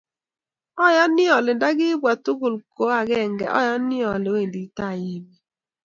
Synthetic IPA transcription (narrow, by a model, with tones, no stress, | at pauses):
ɔ˦jɔ˦nɪ˦ɔ˨lɪ˨n˦da˦ɡɪ˦bwa˨tu˦ɡʊ˨lko˦a˨ɡɛ˦˨ŋɡɛ̰˨ʔɔ̰˦jɔ˦nɪ˦ɔ˨lɪ˨o˦e˨ndi˨˦ta˦˨ji˦bi˦